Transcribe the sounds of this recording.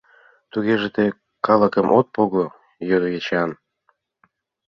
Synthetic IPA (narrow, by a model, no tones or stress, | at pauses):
t̪uɣeʒet̪e | kɑləkəmʔot̪̚poɣo | jød̪ɣet͡ɕɑn